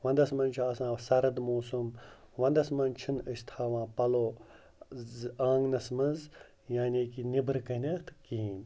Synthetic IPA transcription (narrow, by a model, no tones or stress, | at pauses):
ʋɐ̃nd̪ɐsmɐnt͡ʃʰiɐsãːsɐɾɐd̪moːsumʋɐ̃nd̪ɐsmɐnt͡ʃʰinəst̪ʰaːʋãːpɐloː | aːŋɡnɐsmɐnz | jaːnʲeːkinibɾkɐnʲɐt̪ʰkiːn